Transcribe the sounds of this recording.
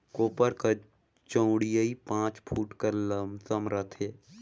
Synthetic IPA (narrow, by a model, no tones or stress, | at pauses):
koːpəɾkɐ | t͡ʃə̃ʊɽijəipãːt͡ʃpʰuːʈkɐɾləmsəmɾət̪ʰeː